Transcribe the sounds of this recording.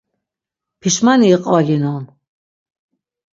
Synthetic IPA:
pʰiʃmaniːqʼɔlinɔn

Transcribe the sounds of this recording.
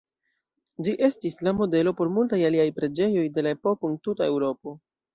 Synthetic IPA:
d͡ʒiʔe̞stislamo̞de̞lo̞po̞ɾmultajaliajpɾe̞d͡ʒe̞jo̞jde̞lae̞po̞kontutae̞wɾo̞po̞

